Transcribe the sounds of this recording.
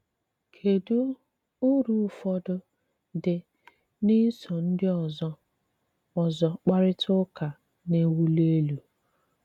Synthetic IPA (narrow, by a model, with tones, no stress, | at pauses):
kʰe˨du˦ | ʊ˦ɾu˦˨fɔ˦dʊ˦ | dɪ˨ | ni˦sɔ˨n̩˦dɪ˦ɔ˨z | ɔ˨zɔ˨k͡pa˦ɾɪ˦tʰʊ˦ka˨ | ne˦wu˦le˦lu˨